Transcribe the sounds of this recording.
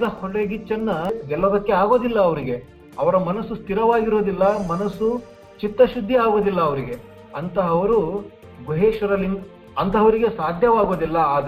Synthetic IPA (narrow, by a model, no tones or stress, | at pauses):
d̪ɐhoɭeɡit͡ʃːɐnːɐɡɛlːɐd̪ɐkːe̞aːɡo̞ːd̪ilːɐːʋɐɾiɡe̞ | ɐʋɐɾɐmɐnɐsust̪ʰiɾɐʋaːɡiɾo̞ːd̪ilːɐmɐnɐsu | t͡ʃit̪ːɐʃud̪ʱːiaːɡo̞ːd̪ilːɐːʋɐɾiɡe̞ | ɐnt̪ɐɦɐʋɐɾu | ɡuɦeːʃɐɾɐliŋ | ɐnt̪ɐɦɐʋɐɾiɡe̞saːd̪ʱjɐʋaːɡo̞ːd̪ilːɐaːd̪